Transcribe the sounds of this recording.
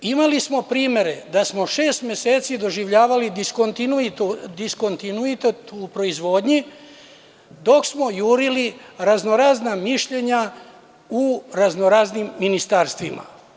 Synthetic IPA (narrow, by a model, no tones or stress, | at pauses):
imalismo̞pɾiːme̞ɾe̞d̪asmo̞ʃe̞ːst̪mje̞seːt̪sid̪o̞ʒiʋʎaːʋalid̪ikot̪inuit̪od̪isko̞nt̪inuit̪et̪upɾo̞izʋo̞ːd̪ɲi | d̪o̞ksmo̞juːɾiliɾazno̞ɾaːznamiʃʎe̞ɲa | uɾaznoɾaznimːinist̪aːɾst̪ʋima̰